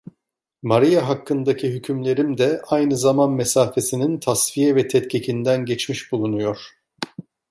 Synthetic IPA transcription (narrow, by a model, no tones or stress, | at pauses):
maɾijaɦakːɯnd̪acʰiɦycʰymlʲe̞ɾimd̪ɛajnɯzamanmesaːfe̞sinint̪ʰasfijɛvɛt̪ʰɛt̪cʰecʰind̪ænɟɛt͡ʃmiʃbulˠunujo̞ɾ̥